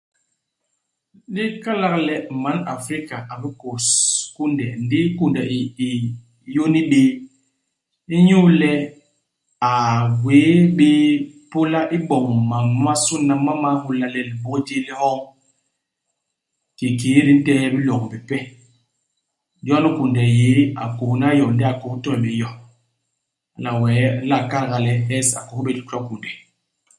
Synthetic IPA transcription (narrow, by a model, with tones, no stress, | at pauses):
ɗi˦ka˦la˦klɛ˦˨ma˨˦na˨fɾi˦ka˨ʔa˨bi˦ko˨sku˦ndɛ˨n˦di˦ku˦ndɛ˨i˨i˨˦ | jo˦ni˦ɓi˦ | i˦ɲu˦lɛ˦ | a˨we˨˦ɓi˦po˦la˦ʔi˦bɔ˨ŋ˨ma˨nwa˦su˦nːa˨ma˦ma˦hu˨la˨lɛ˨lbo˦d͡ʒi˦li˦hɔ˦ | ki˨ki˨˦ɾi˦n̩˦tɛ˦jɛ˦bi˦lo˨kbɛ˨pɛ˦ | d͡ʒɔ˦nu˦ku˨ndɛ˨je˨˦a̰˨ku˨hn˦a˦jɔ˨˦dɛ˦a˨ko˨hu˦tɔ˦lbe˨˦jɔ˦ | a˨la˨wɛ˨˦la˦˨ka˦ɾɡa˨lɛ˦hɛ˦sa̰˨ko˨˦be˦˨di˦kɔ˦ku˨ndɛ˨